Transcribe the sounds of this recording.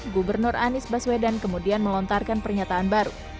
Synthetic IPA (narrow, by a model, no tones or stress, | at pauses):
ɡubərnʊrʔanɪsbaswedankəmudianməlɔnt̪arkanpərɲat̪aːnbaɾṵ